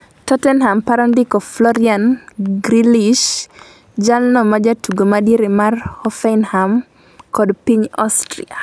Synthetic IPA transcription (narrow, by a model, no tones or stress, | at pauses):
tɔtɛnhampaɾɔndikɔflɔɾianɡɾiliʃ | d͡ʒalnɔmad͡ʒatʰuɡomadiɾemarhɔfɛɪnham | kɔdpiɲɔ̰stɾḭa